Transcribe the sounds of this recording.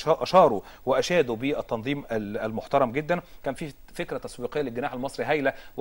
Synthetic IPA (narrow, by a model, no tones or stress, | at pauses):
ʔɑʃɑːɾˤu | weʔæʃæːd̪ubiʔæt̪ːɑnðˤiːmæælmoħt̪ɑɾˤɑmɡed̪ːænkæːnfiː | fekɾæt̪æswiːqejːælɪlɡɪnaːħælmɑsˤɾiɦæjlæw